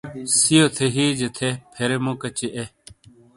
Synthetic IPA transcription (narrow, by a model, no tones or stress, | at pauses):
sijoːt̪ʰeɦiːd͡ʒet̪ʰepʰeɾemõːkət͡ɕeʔeː